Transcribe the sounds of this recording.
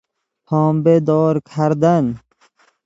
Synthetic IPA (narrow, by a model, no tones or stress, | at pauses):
pʰɑːmbed̪ɔːɾkʰaɾd̪an